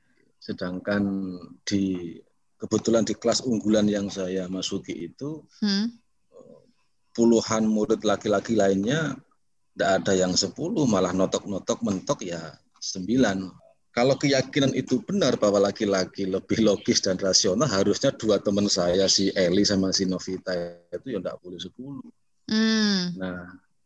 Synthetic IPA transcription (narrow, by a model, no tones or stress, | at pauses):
sədaŋkand̥i | kəb̥ət̪ulandikəlasuŋɡulanjaŋsajamasukiʔːt̪u | ə | puluhanmulʊt̪̚lakilakilaɪnɲa | ndaʔadajaŋsəpulʊhmalahnɔt̪ɔk̚nɔt̪ɔk̚mənt̪ɔk̚ja | səmbilan | kalokəjakinanit̪ub̥ənərbawalakilakiləb̥ɪhloɡɪsd̥anrasionalɦaɾʊsɲaduat̪əmənsajasiʔelisamasinofit̪ait̪ujaŋda̰ʔpulʊhsəpulu | nah